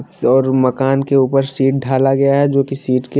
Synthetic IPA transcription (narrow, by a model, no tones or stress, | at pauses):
ɔːɾmɐkaːnkeuːpəɾsiːʈ̚ɖʱaːlaɡɐjaɦɛd͡ʒoːkisiːʈke